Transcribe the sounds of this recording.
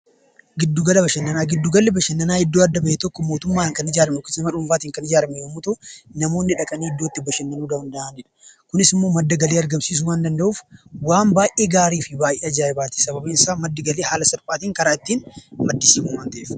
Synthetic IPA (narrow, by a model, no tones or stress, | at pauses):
ɡɪd̪ːʊɡɐlɐbɐʃɐnːɐnaːɡɪd̪ːʊɡɐlːɛbɐʃɐnːɐnaːɪd̪ːoːɐd̪ːɐbɐʔet̪ɔkːɔmo̞ːt̪ʊmːaːŋkɐnɪd͡ʒaːɾɐmɛkʊɪsɐmɐᶑʊmfaːt̪iːŋkɐnɪd͡ʒaːɾɐmɛjomːʊt̪unɐmo̞ːnːɪᶑɐkʼɐniːɪd̪ːoːt̪ːɪbɐʃɐnːɐnuːd̪ɐhʊnd̪ɐʔaːnd͡ʒɛᶑɐ̥kʊnɪsɪmːo̞ːmɐd̪ːɐɡɐleːɐɾɡɐmsiːs̬ʊwaːnd̪ɐnd̪ɐʔuːfwaːmbaːjʔe̞ːɡaːɾiːfɪbaːjʔeːɐd͡ʒaɾɛbaːt̪i̥sɐbɐbɐɪnsaːmɐd̪ːɪɡɐleːhaːlɐsɐɾpʼaːt̪iːŋkɐɾaːɪt̪ːiːnmɐd̪ːɪsiːmʊwaːnt̪ɐʔeːf